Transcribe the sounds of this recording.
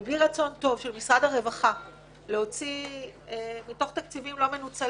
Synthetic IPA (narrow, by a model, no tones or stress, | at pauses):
bliʁat͡so̞nto̞vʃelmisʁadhaʁe̞vaχa | leo̞t͡si | mito̞χt̪ak̚t͡sivimlo̞me̞nut͡sa